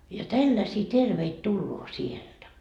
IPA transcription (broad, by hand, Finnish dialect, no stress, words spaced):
jɑ tælːæsiː terʋeit tulːoː sield̥æ